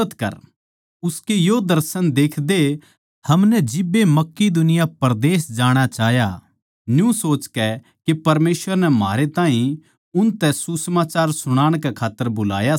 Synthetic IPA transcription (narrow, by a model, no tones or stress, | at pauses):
ət̪kɐ̰ɾ | ʊskejod̪ɐɾsənd̪eːkʰd̪e | hɐmnɛd͡ʒɪbːemɐkːid̪ʊnɪjapɐɾd̪eːsd͡ʒaːɽ̃at͡ʃaːɦja | njũsoːt͡ʃkɛ | kipɐɾmeːsʋəɾnɛma̰ːɾet̪ãːɦĩ | ʊnt̪ɛsusəmaːt͡ʃaːɾsʊɽ̃aːɽ̃kɛkʰaːt̪ːəɾbʊla̰ːja